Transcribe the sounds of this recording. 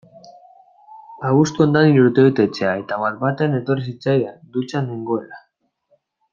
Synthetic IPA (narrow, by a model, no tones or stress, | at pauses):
aβust̪uo̞nd̪aniɾuɾt̪eβet̪e̞t͡se̞ae̞t̪aβaɾbat̪eane̞t̪o̞ris̬it͡sajðad̪ut͡saneŋɡo̞ela